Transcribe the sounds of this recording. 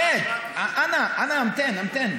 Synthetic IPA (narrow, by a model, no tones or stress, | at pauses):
ɛd | aʔanaʔanaãmtɛ̃nãmtɛ̃n